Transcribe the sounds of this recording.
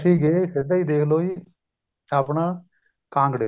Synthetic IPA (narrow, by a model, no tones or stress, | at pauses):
sĩːɡeːsɪd̪aiːd̪eːkʰloːiː | aːpnaː | kãːŋɡɽe